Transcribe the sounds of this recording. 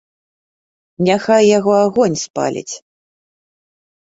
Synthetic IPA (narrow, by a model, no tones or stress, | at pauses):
nʲaxajːaɣɔaɣɔnʲspa̰lʲḭt͡sʲ